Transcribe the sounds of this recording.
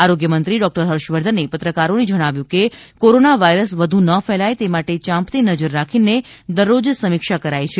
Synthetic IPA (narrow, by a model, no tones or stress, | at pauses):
aɾoɡjəmənt̪ɾiɖɔk̚ʈəɾɦəɾʃʋəɾd̪ʱənepət̪ɾəkaɾoned͡ʒəɽ̃aʋjũkekoɾonaʋaiɾəsʋəd̪ʱunəfɛlajt̪emaʈet͡ʃãmpt̪inəd͡ʒəɾːakʰined̪əɾːod͡ʒsəmɪkʃakəɾajt͡ʃʰe